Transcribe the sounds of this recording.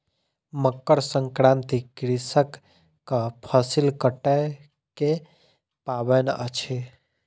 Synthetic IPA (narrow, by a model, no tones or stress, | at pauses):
məkːəɾsəŋkɾãnt̪ikɾisəkː | apʰəsilkəʈɛ | ke | pabenə̰t͡ʃʰe